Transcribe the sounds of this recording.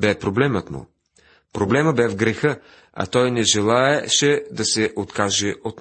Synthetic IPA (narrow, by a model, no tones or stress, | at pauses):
bɛpɾoblɛmət̪mʊ̰ | pɾoblɛməbɛvɡɾɛxɤ | ɐ̰t̪ɔjnɛʒɛlˠaɛʃɛd̪ɐsɛʔot̪kaʒɛʔot̪